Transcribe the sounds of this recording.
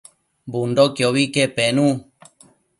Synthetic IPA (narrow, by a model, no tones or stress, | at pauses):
mbund̪okeoβikepenũ